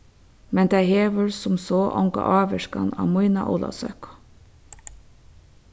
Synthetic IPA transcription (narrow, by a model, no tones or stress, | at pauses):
mɛnd̪æɪheːʋəɹsʊmsoːʔɔŋɡɑ̰ʔɑːʋəʃkɑ̰nɑ̰ːmuɪnɑʔuːlɑ̰sœ̰kʊ̥